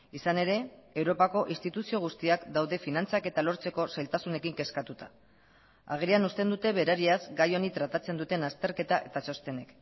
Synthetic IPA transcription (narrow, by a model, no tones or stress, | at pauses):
isane̞ɾe̞ewɾo̞pako̞ʔist̪it̪usio̞ɣ̞ust̪iakd̪awðe̞finant͡sake̞t̪alo̞ɾt͡se̞ko̞sajlt̪asune̞kiŋke̞skat̪ut̪ḁ̰ | a̰ɣ̞eɾianust̪e̞nd̪ut̪e̞βe̞ɾaɾiazɡajo̞nit̪ɾat̪at͡se̞nd̪ut̪e̞nast̪e̞ɾke̞t̪aʔe̞̰t̪at͡ʃo̞st̪e̞ne̞k